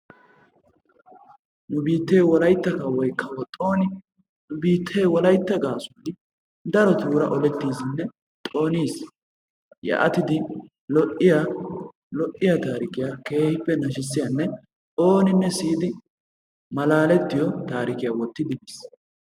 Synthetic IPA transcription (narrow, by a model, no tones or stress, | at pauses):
nʊbiːt̪ːeːwɔlɐjt̪ːɐkɐwɔjkʰːɐwɔt̪ʼoːnɪ | nʊbiːt̪ʰːe̞ːwɔlɐjt̪ːɐɡaːsʊɪ | d̪ɐɾɔt̪uːɾɐ̰ʔɔlɛt̪ːiːzɪnːɛ | t̪ʼo̞ːniːs | jɐ̰ʔɐt̪ɪd̪ɪ | lɔʔɪja | lɔʔːɪjat̪aːɾɪkɪjake̞ːhɪpːɛnɐʃɪsːɪjɐnːɛ | t̪ʼo̞ːnɪnːɛsiːd̪ɪ | mɐlaːlɛt̪ːɪjɔt̪aːɾɪkɪjaːwɔt̪ːɪd̪ɪnis